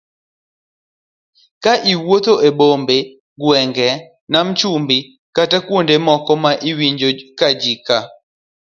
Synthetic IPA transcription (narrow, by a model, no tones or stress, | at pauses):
kaʔiwot̪oʔebombe | ɡwɛŋɡɛ | namt͡ʃumbi | katakwondemɔkɔmaʔiwiɲd͡ʒokad͡ʒika